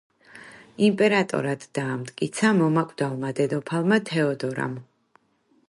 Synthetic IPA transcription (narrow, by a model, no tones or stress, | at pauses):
impʼɛɾat̪ʼɔ̰ɾad̪̥ːaːmt̪ʼkʼit̪sʰamɔmakʼd̪alˠmad̪ɛd̪ɔpʰalˠmat̪ʰɛɔd̪ɔɾa̰m